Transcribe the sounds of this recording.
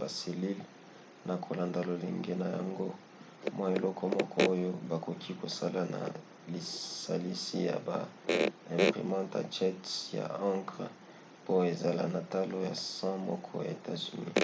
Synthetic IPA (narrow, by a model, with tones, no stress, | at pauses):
ba˨se˨li˦l | na˨kʰo˨la˨nda˨lo˨le˨ŋɡe˦na˨ja̰˨ŋɡo˦ | mwa˦e˨lɔ˦kʰɔ˦mɔ˦kʰɔ˦o˦jo˦ba˨ko˨kʰi˦ko˨sa˦la˨na̰˨ | li˨sa˨li˦si˦ja̰˨ba̰˨ | ɛ̃˨mpʁḭ˨mɑ̃˦ta̰˨t͡ʃɛ˦tja̰˨ã˦ŋkʁ | po˦e˨za˨la̰˨na˨ta˦lo˦ja˨sã˦mɔ̰˦kʰɔ̰˦ja̰˨e˨ta˦zy˨nḭ˦